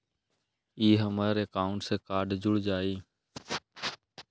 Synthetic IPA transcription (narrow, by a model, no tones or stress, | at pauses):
iːɦəmaːɾeːkaːʊɳʈseːkaːɖd͡ʒʊɽd͡ʒaːiː